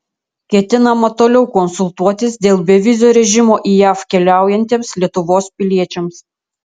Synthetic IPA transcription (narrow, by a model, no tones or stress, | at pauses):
kʲɛt̪ʲɪnɐmɐt̪oːlʲɛʊkɔnsʊlˠt̪uɔt̪ʲɪsd̪ʲeːlˠbʲɛʋʲɪzʲoːɾʲɛʒʲɪmoːʔiːjæːfkʲɛlʲæˑʊjɛnʲt̪ʲiːmslʲiɛt̪ʊʋoːspʲɪlʲiɛt͡ʃʲɛms